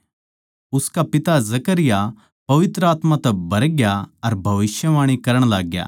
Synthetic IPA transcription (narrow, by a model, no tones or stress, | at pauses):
ʊskapɪt̪azɐkəɾɪja | pɐʋɪt̪ɾəaːt̪mãt̪ɛbɐɾɡjaɐɾbʱɐʋɪʃjəʋãːɽ̃ikɐɾəɽ̃laːɡja̰ː